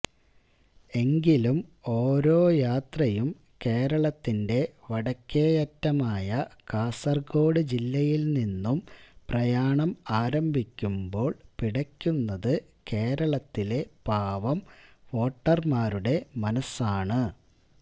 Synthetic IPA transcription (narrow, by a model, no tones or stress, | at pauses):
e̞ŋɡilumo̞ːɾo̞ːjaːt̪rɐjum | ke̞ːɾɐɭɐt̪ːinde̞ʋɐɽɐkʲːeːjɐtːɐmaːjɐkaːsɐrɡo̞ːɽɨd͡ʑilːɐjilninːumprɐjaːɳɐmaːɾɐmbʱikʲːumbo̞ːɭpiɽɐkʲːunːɐðɨke̞ːɾɐɭɐt̪ːile̞paːʋɐmo̞ːʈːɐrmaːɾuɽe̞mɐnɐsaːɳɨ